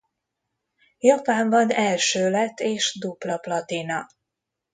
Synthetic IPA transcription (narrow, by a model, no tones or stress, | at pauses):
jɒpaːɱvɒnɛlʃøːlɛt̪ʰːeːʃd̪ublɒplɒt̪inɒ